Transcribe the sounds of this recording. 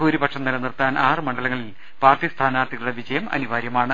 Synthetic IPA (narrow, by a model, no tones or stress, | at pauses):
uːɾibɐkʂɐmnɐlɐnirt̪aːnʔaːrɨmɐɳɖɐlɐŋːɐɭil | paːrt̪ist̪ʰaːnaːt̪ːiɣɐɭuɽeʋid͡ʑɐjɐmɐ̰niʋaːɾjɐmaːɳɨ